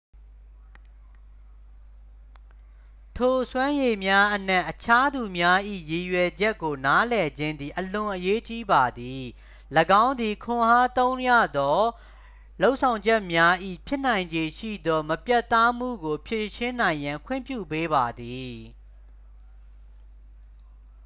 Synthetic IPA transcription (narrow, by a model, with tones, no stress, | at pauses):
tʰo˨swã˦je˨mja˦ʔən̥ɛ̃˦ʔət͡ɕʰa˦d̪u˨mja˦ʔḭ˦˨je˨jwɛ˨d͡ʑɛ˦ʔkːo˨na˦lɛ˨d͡ʑɪ̃˦nd̪ði˨ʔəlʊ̃˨ʔəje˦t͡ɕi˦ba˨d̪i˨ | ləɡã˦ʊ̃nd̪ði˨kʰʊ̃˨ha˦t̪õ˦ʊ̃ɲja̰˦˨d̪ɔ˦ | lo˦ʊʔsʰã˨ʊ̃ɲd͡ʑɛ˦ʔmja˦ʔḭ˦˨pʰjɪ˦ʔn̥ã˨ɪ̃ɲd͡ʑe˨ʃḭ˦˨d̪ɔ˦məpja˦ʔt̪ã˦m̥ṵ˦˨ɡo˨pʰje˦˨ʃɪ̃˦nã˨ɪ̃jã˨ŋkʰwɪ̰̃˦˨mpjṵ˦˨pe˦ba˨d̪i˨